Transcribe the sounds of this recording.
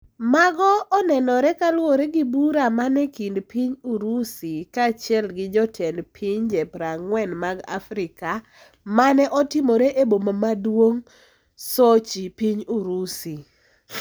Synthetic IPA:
maɡɔːnɛnɔɾɛkalwoɾeɡibuɾamanɛkindpiɲuɾusikat͡ʃjɛlɡɪd͡ʒɔtʰɛnpʰiɲd͡ʒɛpɾaŋwɛnmaɡa̰fɾɪka | manɛʔɔtɪmoɾeʔebomamadwoŋ | sot͡ʃipiɲuɾusi

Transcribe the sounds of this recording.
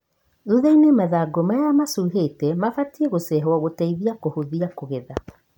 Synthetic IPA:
ðuðainemaðaːɡomajamasuːɦeːtɛmafatieɣosɛɦwaɣotaiðiakohoðiakoɣeða

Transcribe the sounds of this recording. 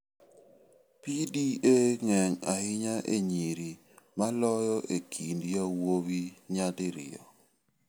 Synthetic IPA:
pidieŋɛŋahɪɲaʔḛɲiɾi | malɔjɔʔekʰindjawowiɲadɪɾɪ̰jɔ̰

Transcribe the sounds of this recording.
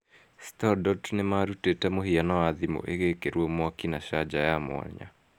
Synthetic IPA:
stɔdɔtnemaɾutetɛmohianɔwaðimo̰ʔeɣekeɾwɔmwakinaʃad͡ʒajamw̰a̰ɲa̰

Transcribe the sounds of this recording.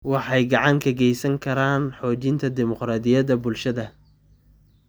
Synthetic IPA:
wɑħɑjɡɑʕɑŋkʰɐɡɛjsɐŋkʰɐɾaːnħɔːt͡ʃɪnt̪ʰɐd̪ɪmɔqɾaːd̪ɪjɐðɐbʊlʃɐðɐ

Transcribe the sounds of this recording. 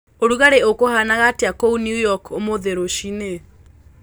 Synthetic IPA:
oɾuɣaɾeokohanaɣateakounjujɔkomoðeɾoʃine

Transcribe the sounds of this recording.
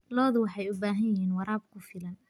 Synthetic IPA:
lɔːðʊwɑħɑjʊbaːɦɐnjjɪɦiːnwɑɾaːb̚kʰʊfɪlɐn

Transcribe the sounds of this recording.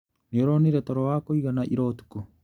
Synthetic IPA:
nioɾoniɾetoɾowaːkoiɣanaʔiɾotu̥ku

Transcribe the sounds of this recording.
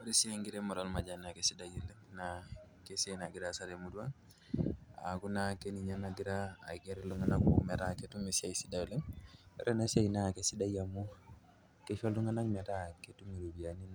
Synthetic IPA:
oɾisiaŋɡiɾemuɾalmad͡ʒanakesidajilena | kesenaɡiɾasaɾemuduaŋ | a̰kunakeniɲanaɡiɾa̰ːkeɾeluŋanakṵmɛtaketumesiaisidaleɛ̰ɾenasajinakesidajamu | kefoluŋanakmɛtaketumiɾubianin

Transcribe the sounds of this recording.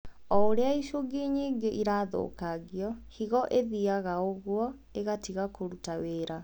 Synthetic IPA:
ɔoɾeaiʃoɡeɲeːŋɡeʔiɾaːðo̰ːkaɣiɔhiɣɔʔeðiaɣaoɣwɔ | eɣatiɣakoɾutaweːɾa

